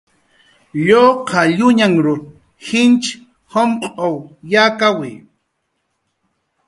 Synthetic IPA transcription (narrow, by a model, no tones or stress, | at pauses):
ʎoːqʰɑʎʊɲaŋɾʊ | hɪnt͡ʃ | homqʼowjaːkawɪj